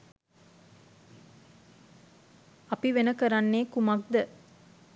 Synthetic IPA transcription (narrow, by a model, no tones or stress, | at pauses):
ɐpiʋenəkəɾanːeːkumɐk̚d̪ə